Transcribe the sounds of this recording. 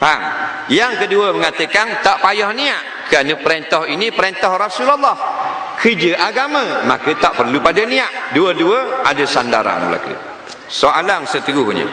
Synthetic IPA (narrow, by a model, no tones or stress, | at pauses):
paŋ | jaŋkəduəməŋat̪əkant̪aʔpajɔhniaʔ | kəɾanəpəɾent̪ɔɦinipəɾent̪ɔhrɔsulalːɔh | kʰəd͡ʒəʔaɡamə̃ma̰kət̪aʔpərlupadaniaʔduəduəadəsandaɾa̰ŋməla̰kṵ | soʔalaŋsət̪əɡukuɲə̰